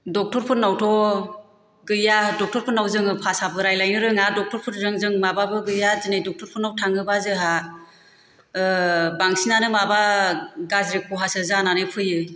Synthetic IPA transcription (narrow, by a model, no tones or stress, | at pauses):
dɔk̚tɔɾpʰɯt̚nawtʰɔ | ɡɯjadɔk̚tɔɾpʰɯtnawzɯŋɯpʰasabɯɾajlajnɯɾɯŋadɔk̚tɔɾpʰɯtɾɯŋzɯŋmababɯɡɯjazɯnajdɔk̚tʰɔɾpʰuɾnawtʰaŋɯbazɯɦa | baŋsinanɯmabaɡazɾekɔɦasɯzananɯpʰɯjɯ